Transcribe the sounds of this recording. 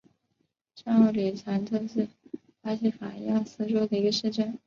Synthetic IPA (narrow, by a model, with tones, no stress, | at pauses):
ʂɑ˥˧u˥˩li˨˩t͡sʰa˧˥nt͡sɤ˥˧ʂ̩˥˩ | fa˥ɕʰi˧˥fa˨˩˧ja˥˩sɹ̩˥˩ʈ͡ʂwɔ˥d̪ə˨i˧˥ɡə˧ʂɻ̩˥˧ʈ͡ʂə˥˩n